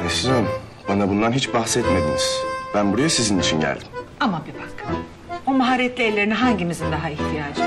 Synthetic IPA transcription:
ɛsizɛm | banabund̪anɦit͡ʃbaxsɛt̪me̞d̪iniz̥bænbuɾajasizinit͡ʃʰinɟæ̰lʲd̪imamabibakʰːɯm | omaɦaɾijɛt̪lʲiɛlʲːeɾiniɦaɲɟimizind̪aɦaiçt̪ʰijaːd͡ʒ

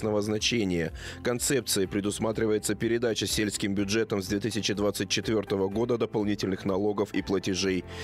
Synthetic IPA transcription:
snəvəznɐt͡ɕenʲɪjə | kɐnt̪sɛp̚t̪sɨjɪpɾʲɪd̪ʊsmat̪ɾʲɪvəjɪt̪səpʲɪɾʲɪd̪at͡ɕəsʲelʲskʲɪmbʲʊʐɛt̪əmzd̪vʲet̪ɨsʲɪt͡ɕɪd̪vat̪sɨt̚ʲt͡ɕːɪt̪vʲo̞rt̪əvəɡo̞d̪əd̪əpɐlˠnʲitʲɪlʲnɨxnɐlˠo̞ɡəfiplˠətʲɪʐej

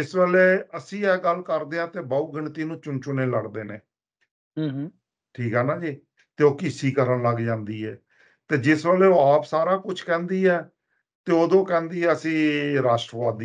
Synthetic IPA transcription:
ɪsʋeːleːəsĩːɛːɡəlkəɾd̪eːãːt̪eːbaːuːɡəɳt̪iːnũːt͡ʃʊnt͡ʃʊneːləɽd̪eːnḛː | ɦː | ʈʰiːkɦɛːnaːd͡ʒiː | t̪eːoːkɪsiːkəɾəɳləɡd͡ʒãːnd̪iːɛ̰ː | t̪eːd͡ʒɪsʋeːleːoːaːpsaːɾaːkʊt͡ʃʰkɛ̃ːnd̪iːɛː | t̪eːoːd̪õːkɛ̃ːnd̪iːɛːəsĩːɾaːʃʈɾəʋaːd̪i

